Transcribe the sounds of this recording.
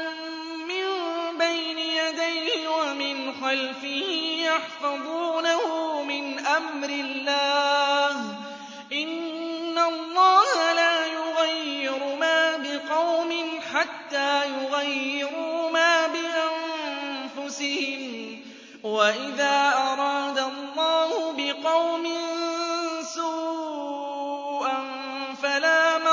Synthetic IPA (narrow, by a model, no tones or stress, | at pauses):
mɪmbajnɪjad̪ajhɪwamɪnxalfɪhɪmjaħfɑðˤuːnahʊmɪnʔamɾɪlːaːh | ʔɪnːalˤːɑːhalaːjʊɣajːɪɾʊmaːbɪqɑwmɪnħat̪ːaːjʊɣajːɪɾʊmaːbɪʔanfʊsɪhɪm | waʔɪðaːʔɑɾˤɑːd̪alˤːɑːhʊbɪqɑwmɪn | suː | ʔan | falaːm